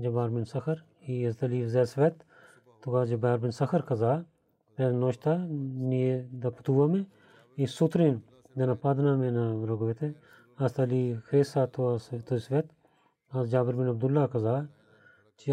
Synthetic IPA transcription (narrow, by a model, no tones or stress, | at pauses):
d͡ʒɐbaːɾbɪnsɐkʰəɾ | iɐzt̪ɐliːzɛːsʋet̪ | t̪ʊkaːd͡ʒɐbaːɾbɪnsɐxʰəɾkɐzaː | pɾɛːnoːʃt̪aːnied̪apɐt̪uːamẽ | isʊt̪ɾin | d̪ɐnapad̪naːmẽnaɾoɡʋet̪ʰe | ɐst̪ɐliːkʰɾeːsaːt̪uat̪osʋet̪ | ɐzd͡ʒaːbəɾbɪnɐb̚d̪ʊlːaːkɐzaː | t͡ʃ